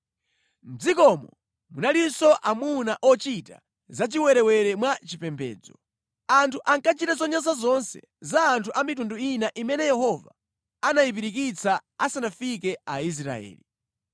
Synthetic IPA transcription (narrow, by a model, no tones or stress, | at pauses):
m̩d͡zikɔmɔ | munalinsɔʔamunaʔɔt͡ʃita | zat͡ʃiwɛɾɛwɛɾɛmwat͡ʃipɛmbɛ̰ːd͡zɔ̰ | antʰuʔaŋkat͡ʃitazɔɲasazɔnsɛ̰ | zaːntʰuʔamitunduinaʔimɛnɛjɛhɔva̰ː | najip̬iɾik̬it͡saasanafikɛais̬ɾa̰ɛ̰ːli